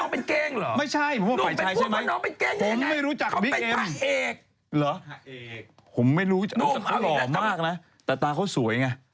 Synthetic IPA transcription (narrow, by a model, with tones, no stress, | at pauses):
pe˧nkeː˧ŋː˨˦ma˥˩jt͡ɕʰa˥˩jʰo˩˦mwaː˥˧a˧jt͡ɕʰa˦˥jt͡ɕʰa˥˩jma˦˧˦ɔː˧pe˧nkeː˧ŋʰo˧˩˨mːa˥˩jɾuː˦˥t͡ɕa˨˩kbiː˦˥˧ke˧m˧˩ʔeː˨˩k̚ | lɔː˨˦ | pʰo˩˦mːa˥˩jɾuː˦˥˨a˧˥˨lɔː˩maː˥˩k̚na˦˥ | t̪ɛː˨˩t̪aː˧kʰa˥˩wsu˩˦əjŋa˧